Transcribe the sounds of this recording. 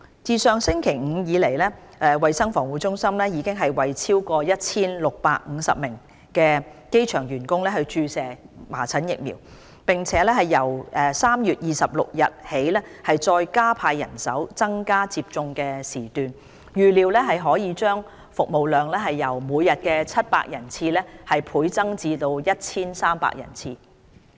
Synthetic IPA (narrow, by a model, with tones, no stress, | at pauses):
t͡siː˨˧sœː˨ŋsɪ˥ŋkʰe˨˩jŋ̩˨˧jiː˨˧le˨˩jlɛː˥ | ʔɛː˨˧wɐ˨jsɐ˥ŋfɔː˨˩ŋwu˨˥t͡ʃʊ˥ŋsɐ˥mlɛː˥jiː˨˧˥kɪ˥ŋɦɐ˨jwɐ˨jt͡sʰiː˥wkɔː˧jɐ˥t̚t͡sʰiː˥nlʊ˨k̚pa̰ː˧k̚ŋ̩˨˧sɐ̰˨p̚mɪ˨˩ŋ | kɛː˧ke˥jt͡ʃʰœː˨˩ŋjyː˨˩nkʊ˥ŋlɛː˥hɵ˧ɥt͡ʃyː˧sɛː˨˩ma̰ː˨˩t͡sʰɐ˨˥njɪ˨k̚mḭ˨˩w | pɪ˨ŋt͡sʰɛː˨˦˥lɛː˥hɐ˨jːɐ˨˩wɛː˨saː˥mjyː˨t̚jiː˨sɐ˨p̚lʊ̰˨k̚jɐ˨t̚he˨˥jlɛː˥hɐ˨jt͡sɔː˧jkaː˥pʰaː˧jːɐ̰˨˩nsɐ˨˥wt͡sɐ˥ŋkaː˥t͡siː˧p̚t͡sʊ˧ŋkɛː˧siː˨˩t̪yː˨n | jyː˨˩liː˨˧wlɛː˥ɦɐ˨jɦɔː˨˥jiː˨˧t͡ʃœː˥ŋ | fʊ˨k̚mo˨wlœː˨ŋlɛː˥ɦɐ˨jːɐ˨˩wmuː˨˧jːɐ˨t̚kɛː˧t͡sʰɐ˥t̚pa̰ː˧k̚jɐ˨˩nt͡sʰiː˧lɛː˥hɐ˨jpʰuː˨˥jt͡sɐ˥ŋt͡siː˧t̪o˧wjɐ˥t̚t͡sʰiː˥nsaː˥mpa̰ː˧k̚jɐ̰˨˩nt͡sʰiː˧